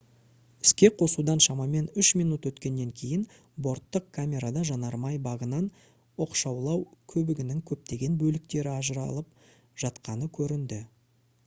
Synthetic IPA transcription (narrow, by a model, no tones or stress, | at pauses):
ɪ̥skʲe̞qʰo̞sud̪ɑnʃɑmɑme̞nʏʃmijnut̪wɵt̪kʲe̞nːe̞ŋkʲʰe̞jɪn | bo̞ɾt̪ːəq̚kʰamʲe̞ɾad̪ɑʒɑnɑɾmɑjbɑʁənɑn | oqʃɑwlˠɑwkʲʰɵbɪɡʲɪnɪŋkʲʰɵp̚t̪e̞ɡʲe̞nbɵlɪk̚t̪e̞ɾɪɑʒəɾɑ̰lˠəp̚ | ʒ̥ɑt̪qɑnəkʲʰɵɾɪnd̪ɪ